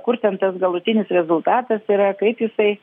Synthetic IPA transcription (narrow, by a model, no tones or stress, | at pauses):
kʊrt̪ʲɛnt̪ɐsɡɐlˠʊt̪ʲɪnʲɪsɾʲɛzʊlˠt̪ɑːt̪ɐsiɾɐkɐɪpjɪsɐɪ